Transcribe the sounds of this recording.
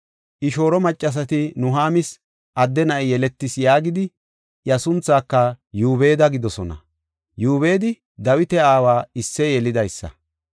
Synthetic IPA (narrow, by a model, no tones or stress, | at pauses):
ʔɪʃo̞ːɾɔmɐt͡ʃʼːɐs̬ɐt̪ɪnʊɦaːmɪs | ʔɐd̪ːɛnɐʔɛjɛlɛt̪ːɪsjaːɡɪd̪ɪ | ʔjɐsʊnt͡sːaːkːɐjuːbeːd̪ɐɡɪd̪ɔsɔnɐ̰ | juːbe̞ːd̪ɪ | d̪ɐwɪt̪ɛaːwaːɪsːɛjɛlɪd̪ɐjsːɐ̰